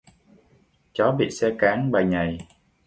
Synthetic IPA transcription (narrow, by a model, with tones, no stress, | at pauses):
t͡ɕɔ˨˦ɓḭ˧˨sɛ˧kaː˨˦ŋɓaː˨˩jɲa˨˩j